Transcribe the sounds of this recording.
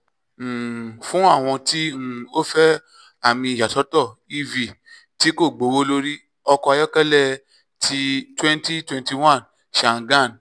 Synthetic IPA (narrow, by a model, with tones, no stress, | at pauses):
fũ˦a˦˨w̃ɔ̃˧ti˦ŋũ˦˨o˦fɛ˦ | a˦˨mĩ˧i˨ja˨tɔ˨˦tɔ˦˨i˦vi˨ | ti˨˦ko˦˨ɡ͡bo˨˦wo˦lo˦ɾi˦ | ɔ˧kɔ˧a˧jɔ˦kɛ˦lɛ˦˨ | tʰi˧twɛ̃˦nti˦twɛ̃˧nti˧wã˦˨n | ʃa˨ɡã˦˨n